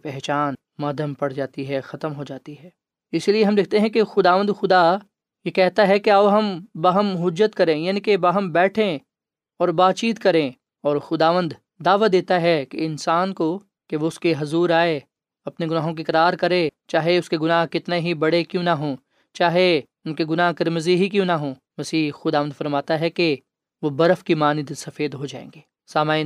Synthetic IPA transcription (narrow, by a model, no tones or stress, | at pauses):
pɛɦt͡ʃaːn | maːd̪ʱəmpɐɽ̤d͡ʒaːt̪iɦɛxɐt̪əmɦod͡ʒaːt̪iɦɛː | ɪslieɦɐmlɪk̚ʰt̪eɦɛ̃kexʊd̪aːʋə̃nd̪xʊd̪a | jekɛɦt̪aɦɛkeɐːɦɐmbɐɦəmɦʊd͡ʒət̪kɐɾẽjaːnikebɐɦəmbɛːʈʰẽ | ɔːɾbaːt̪t͡ʃiːt̪kɐɾẽ | ɔːɾxʊd̪aːʋə̃nd̪ː | aːʋad̪eːt̪aɦɛkeɪnsaːnko | keʋoʊskeɦɐzuːɾaːe | ɐpneɡʊnaːɦõk̬ekɐɾaːɾkɐɾẽt͡ʃaːɦeʊskeɡʊnaːɦkɪt̪neɦibɐɽekjũːnɐɦõː | t͡ʃaːɦe | ʊnkeɡʊnaːɦkɐɾmziɦik̬jõːnɐɦõː | mɐsiːxʊd̪aːʋənd̪fɐɾmaːt̪aɦɛke | ʋobɐɾəfkimaːnɪd̪sɐfeːd̪ɦod͡ʒaːḛ̃ːŋɡeː | saːmaːin